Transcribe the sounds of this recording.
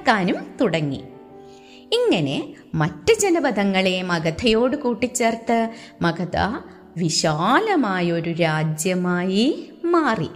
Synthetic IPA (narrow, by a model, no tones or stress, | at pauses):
kːaːnumt̪uɽɐŋːḭ | iŋːɐne̞ | mɐtːɨd͡ʑenɐbɐd̪ʱɐŋːɐɭemɐɡɐd̪ʰɐjo̞ːɽɨkuːʈːit͡ɕːeːrt̪ːɐmɐɡɐd̪ɐ̰ | ʋiɕaːlɐmaːjɐo̞ɾuɾaːd͡ʑjɐmaːjimaːrḭ